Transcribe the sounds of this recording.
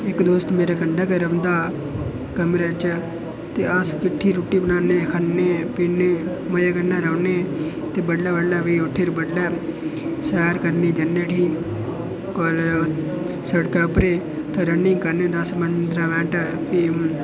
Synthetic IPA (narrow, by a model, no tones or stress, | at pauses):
ɪkd̪oːst̪meːɾaːkəɳɖaːkeɾəʋnd̪aː | kɛːmɾaːt͡ʃ | t̪eːəskɪʈʰːiːɾoːʈːiːbənaːnẽːkʰəneːpiːneː | məjaːkənːaːɾəʊneː | t̪eːbəɖlaːbəɖlɛːʋiːʊʈʰːiːɾbəɖlɛː | sɛːɾkəɾniːd͡ʒənːeːʈʰiː | kɔl | səɽkɛːʊpɾeː | t̪ʰãːɾənɪ̃ŋɡkəɾnẽːd̪əsmənd̪ɾaːʋɛ̃ːʈːpʰi